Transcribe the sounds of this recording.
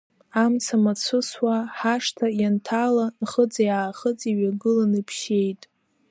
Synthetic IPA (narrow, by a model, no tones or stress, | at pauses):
amsamat͡sʷʰɨswaħaʂtʰajantʰalanχət͡sʼjaːχət͡sʼiɥaɡɨlanɨpʰʃe̞jtʼ